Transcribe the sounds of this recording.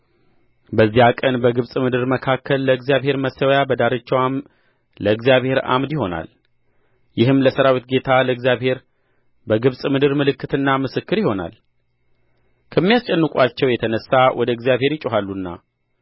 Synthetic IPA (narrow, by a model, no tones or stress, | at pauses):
bəzːihakʼənbəɡɨβsʼmɨd̪ɨɾməkʰakʰːəlːəɨɡzjaβhe̞ɾməsəwjabəd̪aɾət͡ʃːwam | ləɨɡzijaβhe̞ɾa̰md̪jiho̞na̰l | jɪhɨmləsəɾawit̪ɡe̞t̪ʰaləɨɡzijaβhe̞ɾ | bəɡɨβsʼmɨd̪ɨɾmɨlɨkːɨt̪ɨnːamɨsɨkːɨɾjiho̞na̰l | kʰəmːijast͡ʃʼɛnːɨkʼat͡ʃːɛwjɛt̪ʰənəsːawʔɔd̪əɨɡzjaβhe̞ɾjɪt͡ʃʼuɦalːunːa̰